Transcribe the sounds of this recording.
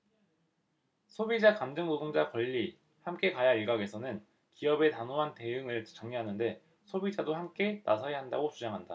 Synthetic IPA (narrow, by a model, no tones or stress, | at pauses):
sʰobid͡ʑakamd͡ʑɯŋnodʰoŋd͡ʑakʌʎːi | hamk͈e̞kajaiɭɡaɡe̞sʰʌnɯn | kiʌbe̞tanoɦante̞ɯŋɯɭt͡ɕʌŋɲiɦanɯnde̞ | sʰobid͡ʑadohamk͈e̞na̰sʰʌjaɦandaɡot͡ɕʰud͡ʑaŋɦanda